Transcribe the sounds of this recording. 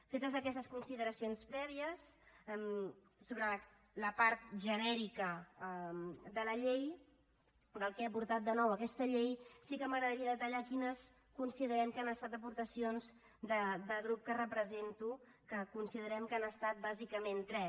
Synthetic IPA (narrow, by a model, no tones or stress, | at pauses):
fet̪əzəkɛst̪əskunsiðəɾəsionspɾɛβiəsm | soβɾə | ləpaɾt̪̚ʒənɛɾikə | d̪ələʎej | d̪əlˠkepuɾt̪at̪̚d̪ənɔwəkɛst̪əʎejsikəməɣɾəðəɾiəðət̪əʎakinəs | kunsiðəɾɛmkanəst̪at̪əpuɾt̪əsionz | d̪əd̪əɣɾup̚kərəpɾəzent̪u | kəkunsiðəɾɛmkanəst̪at̪̚bazikəment̪ɾɛ